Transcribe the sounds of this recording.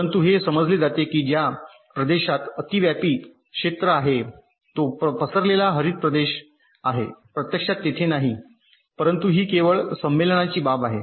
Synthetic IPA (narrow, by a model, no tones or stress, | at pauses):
ənt̪uɦesəməd͡zled͡zat̪ekiːd͡ʑja | pɾəd̪eɕat̪ət̪iʋjapiː | kʂet̪ɾəaɦe | t̪oppəsəɾlelaɦəɾiːt̪̚pɾəd̪eɕ | aɦḛpɾət̪jəkʂat̪ːet̪ʰenaɦi | pəɾənt̪uɦiːkeʋəɭsəmːelənat͡ɕiːbabaɦe